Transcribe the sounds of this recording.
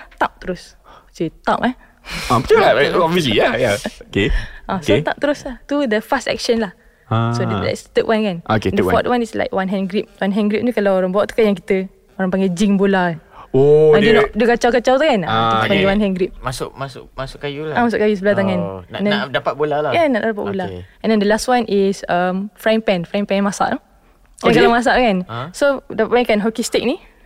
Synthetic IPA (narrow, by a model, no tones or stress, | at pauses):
t̪ap̚t̪əɾʊs | set̪apa | abət͡ʃabalaɔbviəs̬lijajaokeʔaskot̪ap̚t̪əɾʊslaht̪udəfastɛ̰k̚ʃənlah | asolɛ̰tst̪əkwankanoked̪afɔt̪̚wanisla̰jkwanɦɛ̃nɡɾip̚wanɦɛ̃nɡɾip̚t̪ukalawoɾaŋbawaʔt̪u̥kajaŋk̬it̪ə | oɾaŋpaŋɡɛd͡ʒiŋbolaoãdunɔʔdukat͡ʃawkat͡ʃawt̪ukanut̪upaŋɡɛwanɦɛ̃nɡɾip̚masʊʔmasʊʔmasʊʔkajulaamasʊ̰ʔkajusəbəlat̪aŋanndɛndapat̪̚bolalajanaʔdapa̰ʔ̚bolaɛ̃ndɛndəlastwanʔisəmfɾampɛ̃nfɾaŋpɛ̃nnmasa̰ʔnɔ | akalamas̬aʔkansodapaʔwãnkanɦɔkist̪ik̚ni